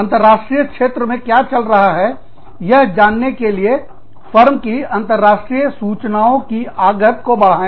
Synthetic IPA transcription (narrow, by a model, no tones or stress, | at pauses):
ɐ̃nt̪əɾːaːʃʈɾijəkʃeːt̪ɾəmẽkjat͡ʃɐlɾɐɦaɦɛ | jɐɦd͡ʒaːnːekelie | fəɾmkiɐ̃nt̪əɾːaːʃʈɾijəsuːt͡ʃnaːõkiaːɡət̪kobɐɽ̤aːẽ